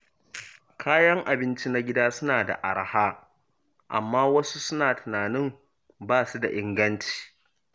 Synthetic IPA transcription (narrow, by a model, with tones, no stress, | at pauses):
kʰaː˦jɐ˦ŋʔa˨bɪ˦nt͡ʃi˦na˦ɡʲɪ˦daː˦sʊ˦naː˨da̰˨ʔa˨ɽa˨haː˦ | ʔa̰˨mːaː˦wɐ˦su˦sʊ˦naː˨tɪ˨naː˨nɪ˦m | baː˦˨su˦da˨ʔɪ˦ŋɡɐ˦nt͡ʃi̥ː˨